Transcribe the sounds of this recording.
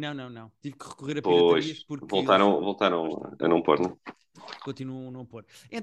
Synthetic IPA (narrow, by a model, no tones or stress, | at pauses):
nɐ̃w̃nɐ̃w̃nɐ̃w̃t̪ivkɨʁɨkuʁeɾɐppojʃiɐʃpuɾvolˠt̪aɾɐ̃w̃volˠt̪aɾɐ̃w̰̃ɐ̰nɐ̃w̃poɾnɐ̃ | kõnt̪inuɐ̃w̃nɐ̃w̃poɾ | ẽ